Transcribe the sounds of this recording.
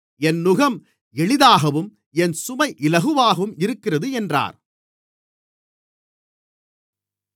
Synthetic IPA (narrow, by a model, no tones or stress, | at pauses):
ɛnːʊɣɐm | ɛɭɪðaːɣɐʋɯm | ɛnsʊmɐɪʔɪlɐɣɯʋaːɣɐʋɯmɪɾɯkːɪrɐðɯɛndra̰ːɾ